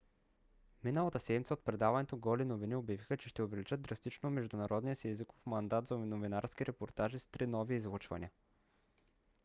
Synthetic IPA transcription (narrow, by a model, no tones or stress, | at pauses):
minəlˠɐt̪əsɛd̪mʲit̪sɛot̪̚pɾɛd̪avɐnɛt̪oɡɔlinoviniobjɐvixət͡ʃɛʃt̪ɛovɛlit͡ʃəd̪̚d̪ɾɐst̪it͡ʃnomɛʒd̪ʊnɐɾɔd̪nijəsiɛziko̥fmɐnd̪at̪zɐnovinaɾskiɾɛpoɾt̪aʒizst̪ɾinɔviːzvˠut͡ʃvɐ̰nʲḭə